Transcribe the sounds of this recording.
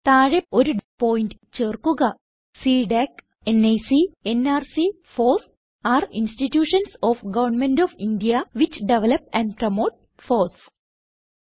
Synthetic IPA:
t̪aːɻeoɾupoːjinʈt͡ɕeːrkuɣɐ | siːɖek | enejsienaːrsi | foːs | aːɾinsʈiʈjuːʂɐnsoːfɡɐʋɐrnmeɳɖoːʋinɖijɐʋit͡ɕɖeʋɐlɐpæ̃nɖpɾɐmoːʈ̚ | foːs

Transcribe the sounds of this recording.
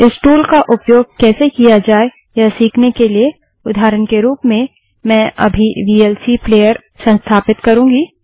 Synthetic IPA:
ɪsʈuːlkaʔʊpjoːɡ̚kɛːsekijad͡ʒaːe | jasiːkʰnekelie | ʊd̪ʱaːɾənkeɾuːpmẽ | mɛ̃ːʔɐ̰bʱiʋiːɛlsipleːjəɾ | sɐ̃nst̪ʰaːpɪt̪kɐɾũːɡiː

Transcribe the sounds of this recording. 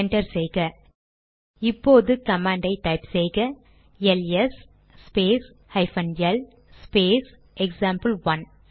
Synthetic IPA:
ɛɳʈɐɾsɛjɣɐ | ɪpːoːðɯkɐmaːɳɖɐɪʈɐɪpsɛjɣɐ | ɛlɛs | speːs | hɐɪfɐnjɛlː | peːs | ɛksaːmpɐlʋɐn

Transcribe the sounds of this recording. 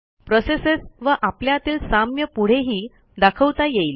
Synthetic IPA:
pɾosesesʋəʔapljat̪iːlsamjəpuɽ̤eɦiː | d̪akʰəwt̪ajejl

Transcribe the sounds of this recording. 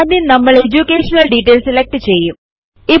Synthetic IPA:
d̪inəməɭed͡ʒukeːʃnəlɖiʈeːlselek̚ʈt͡ʃʰe | e

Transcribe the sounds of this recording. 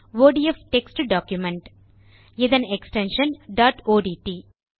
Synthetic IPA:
ʋoːɖiefʈeksʈuɖaːkjumɛ̃ɳʈ | ɪd̪ɐ̃neksʈẽnʃɐ̃nɖaːʈoːɖiːʈiː

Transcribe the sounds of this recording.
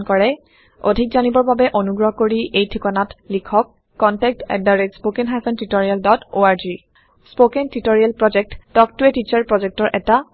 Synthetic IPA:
nkɔɹɛ | o̰dʱik̚zanibɔɹbabɛʔonuɡɹɔɦkoɹiʔejtʰikɔnatlikʰɔkː | ɔntɛk̚tɛ̰ddaɹetspokɛnɦajsɔntitoɹialdɔtoaɹzi | spokɛntitoɹialpɹɔd͡ʒɛk̚tdɔk̚tuɛtit͡ʃaɹpɹɔzɛk̚tɔɹʔɛta

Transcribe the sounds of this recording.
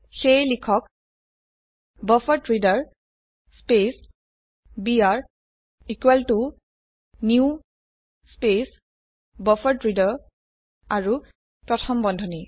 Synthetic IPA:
xejlikʰɔk | bɔfɔtɹidaɹ | spes | biaɹ | ikweltu | niu | spes | bɔfɔɹtɹidɔɹ | aɹu | pɹɔtʰɔmbɔndʱɔni

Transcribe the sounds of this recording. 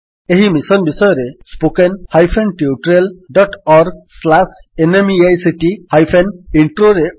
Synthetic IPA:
eɦimisɔnbisɔjɔɾespokenhajpʰenʈiuʈɔɾelɖɔʈɔɾɡ̚slasenemiajsiʈihajpʰeniɳʈɾoɾe

